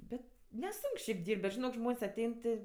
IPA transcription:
ˈbʲɛt nʲɛˈsʊŋk ʃʲɛɪp ˈdʲiːrʲpʲtʲ bʲɛt ʒʲɪˈnoːk ˈʒmoːnʲsʲ ɐˈtʲɛɪn tʲɪ

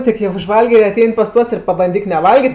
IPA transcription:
ˈtʲɪk jɛʊ ʊʒˈʋɐlʲɡʲeː ɪr ɐˈtʲɛɪnʲ pɐs ˈtuɔs ɪr pɐbɐnʲˈdʲiːk nʲɛˈʋɐlʲɡʲɪtʲ

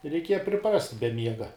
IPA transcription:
rʲɛɪˈkʲiɛjɛ pʲrʲɪˈprɐsʲtʲ bʲɛ ˈmʲiɛɡɐ

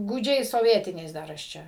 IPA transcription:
ɡuːˈd͡ʒʲɛɪs soːˈʋʲiɛtʲɪnʲɛɪs ˈdɐr ɐʃ ˈt͡ʃʲɛ

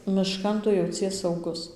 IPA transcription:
mʲɪˈʃkɐn ˈtʊ jɛʊˈt͡sʲiɛs sɐʊˈɡʊs

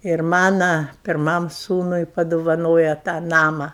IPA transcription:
ɪr ˈmɑːnɐ pʲɪrˈmɐm ˈsuːnʊɪ pɐdoːʋɐˈnoːjɛ tɑː ˈnɑːmɐ

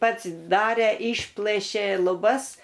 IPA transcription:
ˈpɐts ˈdɑːrʲeː ˈɪʃplˠɘʃʲeː lˠʊˈbɐs

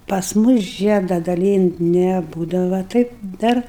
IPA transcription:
pɐs ˈmʊs ˈʒʲiɛdɐ dɐˈlʲiːnʲtʲ nʲɛˈbuːdɐʋɐ ˈtɐɪp ˈdɐr

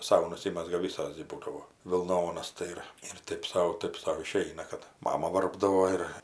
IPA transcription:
ˈsɐʊ nʊˈsʲɪmʲɛzɡɐ ˈʋʲɪsoːs ɡʲɪ ˈbuːdɐʋoː ʋʲɪlˠˈnoːnɐs tɐɪ ˈɪr ɪr ˈtɜp sɐʊ ˈtɜp sɐʊ ɪˈʃʲɛɪnɐ kɐt ˈmɑːmɐ ˈʋɐrbdɐʋoː ˈɪr

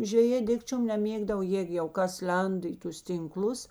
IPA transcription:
ʒʲʋʲɛˈjeː ˈdʲɪkt͡ʃʲoːm nʲɛˈmʲeːɡdɐʋɐ ˈjeːk jɛʊ ˈkɐs ˈlʲɛndɐ ɪ ˈtʊs tʲɪŋˈklˠʊs

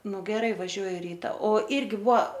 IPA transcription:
ˈnʊ ɡʲɛˈrɐɪ ʋɐˈʒʲuɔjʊ ˈrʲiːtɐ oː ˈɪrʲɡʲɪ ˈbʊɐ

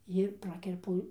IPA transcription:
jɪr ˈprɑːkʲɛrpʊ

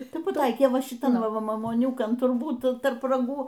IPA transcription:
ˈtɐɪ pɐˈtɐɪkʲeː ˈʋɐ ʃʲɪˈtɐn ˈʋɐ mɐmuɔˈnʲʊkɐn tʊrˈbuːt tɐrp rɐˈɡuː

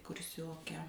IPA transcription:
kʊrʲˈsʲoːkʲɛ

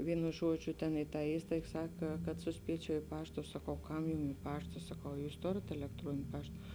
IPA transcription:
ˈʋʲiːnʊ ˈʒuɔd͡ʒʲʊ tʲɛn ɪ tɑː ˈiːstɐɪk ˈsɐk kɐt sʊˈsʲpʲiɛt͡ʃʲɛʊ ɪ ˈpɑːʃtɐ sɐˈkɐʊ ˈkɐm jʊm ɪ ˈpɑːʃtɐ sɐˈkɐʊ ɐ ˈjuːs ˈtoːrʲeːt ɛlʲɛkˈtruɔnʲɪnʲ ˈpɐʃt

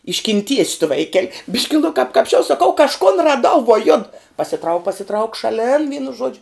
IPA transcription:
ɪʃʲkʲɪnʲˈtʲiɛsʲ tʊ ˈʋɐɪˌkʲɛlʲ ˈbʲɪʃʲkʲɪ nʊ kɐp kɐpʲsʲˈt͡ʃʲɛʊ sɐˈkɐʊ kɐʃˈkoːn rɐˈdɐʊ ʋuɔ jʊt pɐsʲɪˈtrɐʊk pɐsʲɪˈtrɐʊk ʃɐˈlʲɪn ʋʲiːnʊ ˈʒuɔd͡ʒʲʊ

